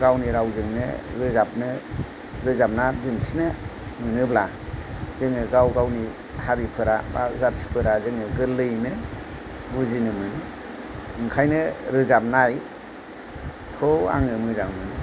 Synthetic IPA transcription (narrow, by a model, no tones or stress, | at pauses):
ɡawniɾawzɯŋnɯ̰ɾɯzap̚nɯ | ɾɯzap̚nadɯntʰinɯmɯnɯbla | z̥ɯŋɯɡawɡawni | haɾipʰɯɾaba̰zatʰi̥pʰɯɾazɯŋɯɡɯlɯjnɯ | buzinɯmɯnɯ | ɯŋkʰajnɯɾɯzap̚naj | kʰɯwa̰ŋɯmɯzaŋmɯnɯ